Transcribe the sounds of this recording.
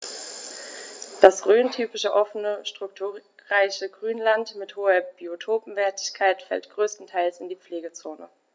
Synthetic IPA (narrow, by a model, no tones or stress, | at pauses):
d̥asʁøːntʰyːpɪʃəʔɔfənəʃtʁ̥ʊk̚tʰuːʁaɪçəɡʁyːnlantmɪthoːɐb̥iotʰoːpm̩vɛːɐtʰɪ̥çkʰaɪtfɛ̰ltɡ̥ʁøːstn̩tʰaɪlsɪndiːp͡fleːɡət͡soːnə̰